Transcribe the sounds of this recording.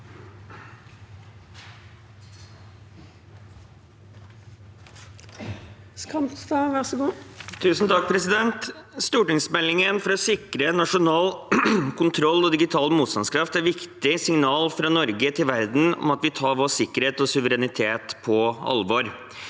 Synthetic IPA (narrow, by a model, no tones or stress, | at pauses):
skɑmt̪sd̪ɑʋæʁsəɡuːt̪ʰʉːsn̩t̪ʰɑk̚pʰɾɛsɪd̪ɛnt̪st̪uːʈɪŋsmɛlɪŋənfɔɾɔsɪkɾənɑʂʊnɑːlkʰʊnt̪ʰɾɔlːɔd̪ɪɡɪt̪ʰɑːlmuːt̪st̪ɑnskʰɾɑft̪æɾʋɪkt̪ɪsɪŋnɑːlfɾɑnɔɾɡət̪ʰɪlʋæɾd̪n̩ɔ̰mɑt̪ʋɪt̪ʰɑːɾʋoːsɪkːəɾheːt̪ɔsʉʋəɾɛnɪt̪ʰeːt̪pʰɔɑ̰lʋɔɾ